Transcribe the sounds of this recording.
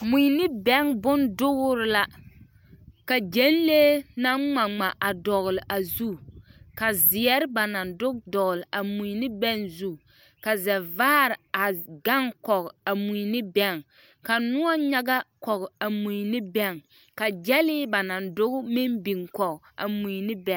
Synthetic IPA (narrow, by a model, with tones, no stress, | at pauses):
mu˨jnɪ˦bɛ˦ŋbʊ˦ndʊ˦ɣʊ˦ɾɪ˨la˦ | ka˨d͡ʒe˦n˦leː˦na˦ŋŋ͡ma˨ŋ͡ma˨ʔa˨dɔ˨ɣlɪ˨ʔa˨zu˦ka˨zɪ˨ɛ˦ɾɪ˦ba˨na˨ndʊ˦ɡdɔ˨ɣlɪ˨ʔa˨mu˨nɪ˦bɛ˦ŋzu˦ | ka˨zɛ˨vaː˦ɾɪ˨a˨ɡa˦ŋkɔ˨ka˨mu˨nɪ˦bɛ˦ŋ | ka˨nʊ˦ɔ˦ɲa˦ɡa˦kɔ˨ɣa˨mu˨jnɪ˦bɛ˦ŋ | ka˨d͡ʒɛ˦lɪ˦ba˨na˨ndʊ˦ɣʊ˦mɪ˦mbi˨ŋkɔ˨ɡa̰˨mu˨nɪ˦bɛ˦˨